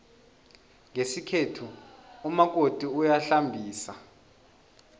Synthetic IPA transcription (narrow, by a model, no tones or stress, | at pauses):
ŋesikʰetʰuumak̬ʼotʼiujaɬambʱiːsa